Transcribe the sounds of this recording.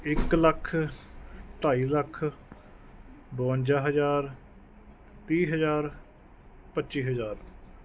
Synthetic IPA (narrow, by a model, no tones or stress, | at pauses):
ɪkləkʰ | ʈaːiːləkʰ | bõːɲd͡ʒaːɦəzaːɾ | t̪iːɦəzaːɾ | pətːʃiːɦəzaːɾ